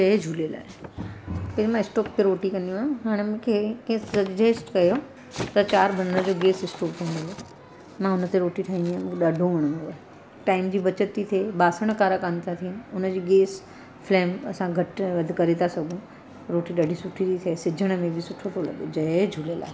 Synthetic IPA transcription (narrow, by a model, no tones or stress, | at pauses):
d͡ʑɐed͡ʑʱuːlela̰ːɦe | kɐd͡ʑimãɪsʈoːk̚p̪eɾoːʈikɐ̃ndĩaːjũɦaːɽ̃emʊ̃ːkʰekẽsɐd͡ʑeːsʈkɐjo | t̪ɐt͡ɕaːɾbʱɐnəɽəd͡ʑoːɡeːsɪsʈoːk̚t̪ʰaĩnd̪lo | mãʊnə̆t̪eɾoːʈiʈʰaːɦĩnd̪iaːm̃ɗɐɖʱõʋəɽ̃noaːɦe | ʈaːɪmd͡ʑiːbɐt͡ɕət̪ːit̪ʰeːɓaːsəɽ̃kaːɾəkãnt̪ʰat̪ʰiʊnəd͡ʑiːɡeːs | fleːmɐsãɡʱɐʈʋɐd̪ʱkɐɾet̪ʰasɐɡʱũ | ɾoːʈiɗɐɖʱisʊʈʰit̪it̪ʰesɪd͡ʑʱəɽ̃mẽbʱɪsʊʈʰot̪ʰolɐ̰ɠod͡ʑɐed͡ʑʱuːlela̰ːɦe